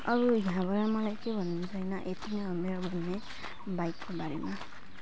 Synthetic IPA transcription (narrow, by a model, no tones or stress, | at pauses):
ʌɾujɦãbʌɾamʌlajkebʱʌnnsʰʌjnaʔet̪inameɾobʱʌnːe | bajkːobaɾema